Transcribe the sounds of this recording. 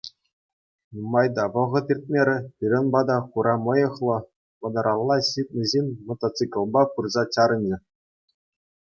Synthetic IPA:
numɑjd̪ɑʋɤ̆ʁɤ̆t̪irʲt̪̚ʲmʲeɾʲɘ̆pʲiɾʲɘ̆nbɑd̪ɑχuɾʔɑmɤ̆jɤ̆χlˠɤ̆ | pɤ̆d̪ɤ̆ɾɑlˠːɑɕit̚ʲnʲɘ̆ʑenʲmŏt̪ɑt͡sɨkʲɤ̆lˠbɑpɯrzɑt͡ɕɑɾɤ̆nʲɘ̆

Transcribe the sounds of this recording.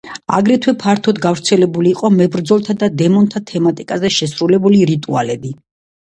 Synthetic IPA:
a̰ɡɾɛt̪ʰwɛpʰaɾt̪ʰɔd̪ɡavɾt̪sʰɛlɛbuliːqʼɔmɛbɾd̪zɔlˠt̪ʰad̪ad̪ɛmɔnt̪ʰat̪ʰɛmat̪ʼikʼazɛʃɛsɾulɛbuliɾit̪ʼualɛbi

